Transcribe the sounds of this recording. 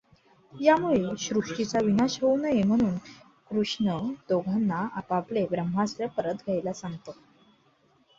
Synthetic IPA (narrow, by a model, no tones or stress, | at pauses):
jamuɭeɕɾukʂit͡saʋinaɕɦownəjem̤əɽ̃uːn | kɾuʂɳəd̪oɡʱənːaʔapaplebɾəmɦasɾəpəɾət̪ɡʱəjlasaŋɡt̪o